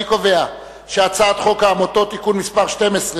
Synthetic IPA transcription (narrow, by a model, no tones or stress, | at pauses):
ikove̞a | ʃeat͡sat̪χo̞kaːmoto̞tikunmispaʁʃte̞mesʁe